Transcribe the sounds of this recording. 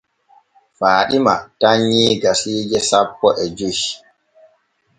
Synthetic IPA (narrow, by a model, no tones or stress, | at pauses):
faːɗima̰taɲːiːɡasiːd͡ʒɛsapːɔʔɛd͡ʒuʃ